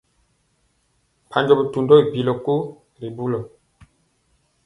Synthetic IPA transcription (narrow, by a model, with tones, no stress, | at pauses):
pʰa˨ɲd͡ʒɔ˨bu˨tu˨ndɔ˦i˨pi˨lɔ˨ku˦ | ɾi˨bu˦lɔ˨